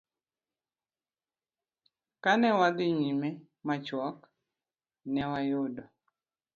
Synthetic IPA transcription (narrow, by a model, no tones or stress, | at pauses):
kanɛwad̪ɪɲimɛ | mat͡ʃwɔk | nɛwajʊdɔ